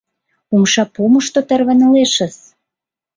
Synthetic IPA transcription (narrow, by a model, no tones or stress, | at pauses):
umʃɑpoməʃt̪ot̪ĕrβə̆nɤ̆leʃə̆s